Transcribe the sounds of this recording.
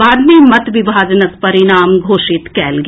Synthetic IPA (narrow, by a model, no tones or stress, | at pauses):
aːd̪mimɐt̪ʋɪbʱaːd͡ʒnəkpɐɾɪɽaːmɡʱoːʃɪt̪kɛːlɡ